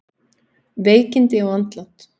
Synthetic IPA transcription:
veːjcɪnt̪ɪawant̪lant̪

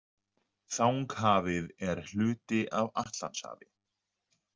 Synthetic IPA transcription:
θawŋkhaːvɪðɛɾ̥hl̥ʏːt̪ɪʔavaht̪la̰nsha̰ːvɪ

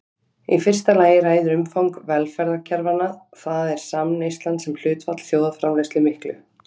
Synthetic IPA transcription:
ifɪr̥st̪alaːjɪɾaːjðʏɾʏmfawŋkvɛlfɛɾðacʰɛɾvanaθaðɛɾ̥samnejst̪lant̪sɛml̥ʏːt̪vat̪l̥θjoːwðafɾamlejst̪lɪmɪhklʏ̰

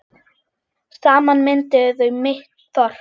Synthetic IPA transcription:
saːmanmɪnt̪ɪðœɥmɪht̪θɔɾ̥

